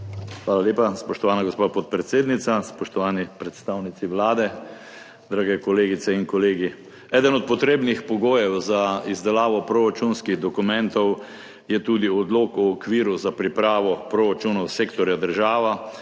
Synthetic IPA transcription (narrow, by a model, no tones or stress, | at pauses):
xʋaːlaljeːpaspɔʃt̪ɔʋaːnaɡospaːpɔt̪̚pɾɛt̪seːd̪nit̪saspɔʃt̪ɔʋaːnipɾɛt̪st̪awnit̪siʋlaːd̪ɛ | d̪ɾaːɡɛkɔleːɡit̪sɛinkɔleːɡi | ɛːd̪ənɔt̪̚pɔt̪ɾeːbnixpɔɡoːjɛwzaizd̪ɛlaːʋɔpɾoɾat͡ʃunskiɣd̪ɔkumɛ̃nt̪ɔw | jɛt̪uːd̪iɔd̪loːkuːkʋiːɾuzapɾipɾaːʋɔpɾoɾat͡ʃunɔwseːkt̪ɔɾjad̪əɾʒaːʋa